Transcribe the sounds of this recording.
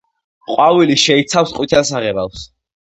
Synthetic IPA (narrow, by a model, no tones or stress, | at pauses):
qʼwaviliʃɛit̪sʰafsqʼwit̪ʰasaʁɛbafs